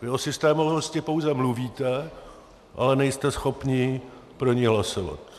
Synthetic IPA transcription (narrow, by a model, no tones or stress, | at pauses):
vɪosɪst̪ɛːmuɦoscɪpo̞wzɛmluviːt̪ɛ | ʔa̰lɛnɛjst̪ɛsxo̞pɲiː | pɾo̞ɲɪɦlasova̰t̪